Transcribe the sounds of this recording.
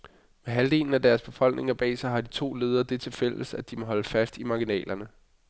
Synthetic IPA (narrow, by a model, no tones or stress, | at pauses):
meɦæld̥e̝̰ːln̩æd̥æɐsb̥e̝fɒ̽l̰ɡ̥ne̝ŋɐb̥ɛ̰ːsaɦɑ̈d̥it͡sʰo̝̰ːle̝ːð̞ˠɐd̥e̝t͡sʰe̝fel̰əsæd̥imɒɦɒ̽ləfæsd̥imɑ̈ɡ̥inɛ̰ːlɐnə